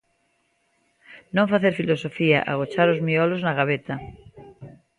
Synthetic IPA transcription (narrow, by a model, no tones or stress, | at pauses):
nõɱfaθeɾfilosofia̰ʔaɣ̞ot͡ʃaɾozmioloznaɣaβet̪a